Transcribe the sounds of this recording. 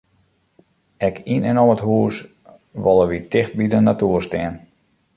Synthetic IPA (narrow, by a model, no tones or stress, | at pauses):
ɛkʰinɛnoəthuːs | ʋɔlˠəʋitɪxt̚bidənatuərstɛən